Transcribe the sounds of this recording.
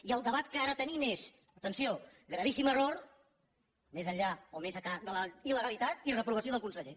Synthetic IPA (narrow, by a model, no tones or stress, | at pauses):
iəlˠd̪əβat̪kəaɾət̪ənimes | ət̪ənsioɣɾəβisiməroɾ | mezəʎaomezəkad̪ələiləɣəlit̪at̪̚irəpɾuβ̞əsioðəlˠkunsəʎe